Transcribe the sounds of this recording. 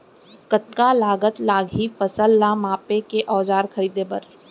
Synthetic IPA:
kət̪kalaːɡət̪laːɡʱifəsəlːamaːpekeʔɔːd͡ʒaːɾkʰɐɾiːd̪epɐɾ

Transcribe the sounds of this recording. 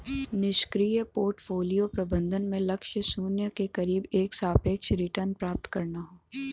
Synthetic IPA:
nɪʃkɾiːjəpoːɾʈfʰoːlijopɾɐbə̃nd̪ʱənmẽlɐkʃəsuːnjəkekɐɾiːbeːksaːpeːkʃɾɪʈəɾnpɾaːp̚t̪kɐɾnaɦoː

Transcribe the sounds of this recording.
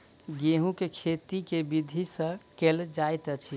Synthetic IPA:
ɡeɦũkekʰet̪ikebid̪ʱisə̃keld͡ʒajt̪ət͡ʃʰi

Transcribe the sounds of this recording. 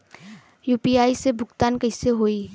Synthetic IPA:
juːpiːaːisebʱʊɡt̪aːnkɐɪseɦoːiː

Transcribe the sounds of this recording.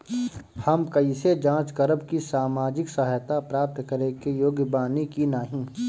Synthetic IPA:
hɐmkɐised͡ʒãːt͡ʃkɐɾəbkisaːmaːd͡ʒɪksɐɦəjt̪apɾaːp̚t̪kɐɾekejoːɡbaːnikinaːɦĩː

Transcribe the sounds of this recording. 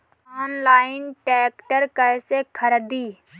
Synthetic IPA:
aːnlaːɪnʈɛːkʈəɾkɛːsekʰəɾd̪iː

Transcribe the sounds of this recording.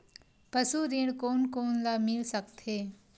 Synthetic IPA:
pəsuɾiːɽ̃koːnkoːnlamɪlsəkt̪ʰɦeː

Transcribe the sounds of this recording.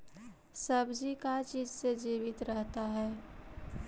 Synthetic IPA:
səbd͡ʒikat͡ʃiːd͡ʒsed͡ʒiːʋɪt̪ɾəɦt̪aɦɛː

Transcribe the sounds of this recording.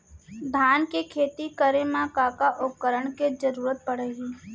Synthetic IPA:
d̪ʱaːnkekʰeːt̪ikəɾemãkaːkaʔʊpkəɾəɳ̃ked͡ʒəɾuːɾət̪̚pəɽ̤eːɡiː

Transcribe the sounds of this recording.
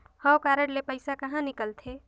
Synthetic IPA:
həwkaːɾəɽlepəɪsakəɦãnikəlt̪ʰe

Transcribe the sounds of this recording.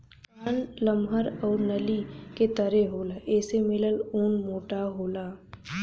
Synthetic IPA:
kaːnlɐmɦəɾɔːɾnɐliket̪ɐɾeɦoːlaʔɛːsemɪləluːnmoːʈaɦoːlaː

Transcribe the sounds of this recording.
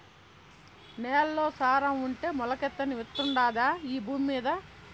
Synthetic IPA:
nɛːlɐlo̞ːsaːɾɐmuɳʈe̞ːmɔlɐkɛt̪ːɐniʋit̪ːuɳɖaːd̪aːiːbuːmmiːd̪ɐ

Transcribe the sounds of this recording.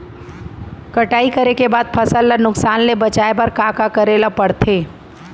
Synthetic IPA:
kəʈaːikəɾekebaːd̪̚pʰəsəlːənʊksaːnlebət͡ʃaːebəɾkaːkakəɾelapəɽt̪ʰeː

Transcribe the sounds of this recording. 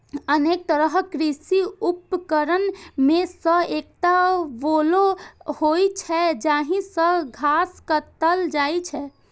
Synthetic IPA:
ənek̚t̪əɾəɦkɾisiupːkəɾənmesə̃ek̚ʈ̪aʋolohojt͡ʃʰɛd͡ʒaɦĩsə̃ɡʱaskət̪əld͡ʒajt͡ʃʰɛ

